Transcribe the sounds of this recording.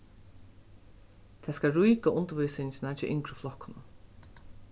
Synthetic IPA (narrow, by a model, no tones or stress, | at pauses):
t̪ʰaːskaɾujkaʔʊnt̪əvujsɪnsnat͡ʃɪʔɪ̰ŋkɾʊflɔhkʊnʊ